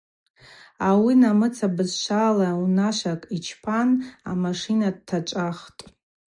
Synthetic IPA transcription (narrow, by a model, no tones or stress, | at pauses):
awinamɨt͡sʰabɨzʃʷalaunaʃʷakʼit͡ʃʰpʰana̰maʂinad̚tʰːat͡ʃʷʼaχtʼ